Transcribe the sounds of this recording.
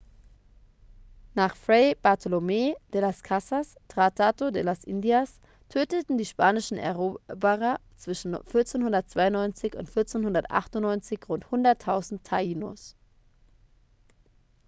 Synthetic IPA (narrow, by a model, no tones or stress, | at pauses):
naːχfʁɛɪb̥aɐtʰolomed̥elaskʰasastʁ̥atʰatodelasʔɪ̰ndias | tʰøːtətn̩diːʃpaːnɪʃn̩ɛ̰ɐʁobɐʁɐt͡sv̥ɪʃn̩fɪɐt͡seːnhʊndɐt̚t͡sv̥aɪʊnːɔʏnt͡sɪçʊ̰ntfɪɐt͡seːnhʊndɐtʔa̰χtʊnnːɔʏnt͡sɪçʁʊnthʊndɐtʰaʊzn̩tʰaiːno̰s